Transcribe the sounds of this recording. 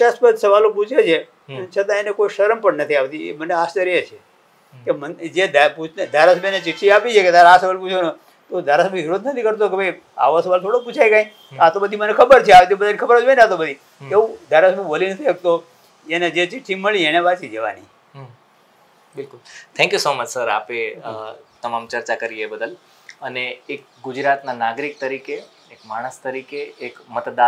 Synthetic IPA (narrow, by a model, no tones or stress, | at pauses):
ʃəspəd̪səʋaloput͡ʃʰet͡ʃʰe | ət͡ʃʰət̪ãenekoiʃəɾəmpəɳnət̪ʰiaʋt̪iḛməneast͡ʃəɾet͡ʃʰe | kemənd͡ʒed̪ʱaput͡ʃʰned̪ʱaɾasəbʱenet͡ʃɪʈʰːiapit͡ʃʰeked̪ʱaɾaasəʋalput͡ʃʰeno | t̪od̪ʱaɾasəbĩɪɾot̪nət̪ʰikəɾt̪̬okebʱəj | a̰ʋosəʋalt̪ʰoɽop̬ut͡ʃʰajkãĩ | at̪obəd̪ʱimənekʰəbəɾt͡ʃʰeaʋt̪ibəd̪ankʰəbəɾət͡ʃbənat̪obəd̪ʱi | eũd̪ʱaɾasəbũʋəlinət̪ʰiək̚t̪o | ened͡ʒet͡ʃʰiʈʰːimːəɭĩeɽ̃eʋat͡ʃid͡ʒəʋa̰ni | bɪlkʊlt̪ʰɛ̃ŋkjusomət͡ʃsəɾa̰pe | t̪əmamt͡ʃəɾt͡ʃakəɾiebəd̪əl | əneek̚ | ɡʊd͡ʒɾat̪nanaɡɾik̚t̪əɾikeː | kmaɽ̃əst̪əɾikeːkmət̪d̪a